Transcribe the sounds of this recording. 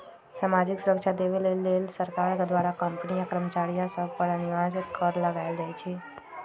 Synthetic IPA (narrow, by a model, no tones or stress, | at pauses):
saːmad͡ʒɪksuɾəkʃʰad̪eʋilelːelsəɾkaɾd̪ʋaɾakəmpnijakɾəmt͡ʃaɭijãsəbpəɾənɪʋad͡ʒit̪kəɾləɡaeld͡ʒajt͡ʃʰe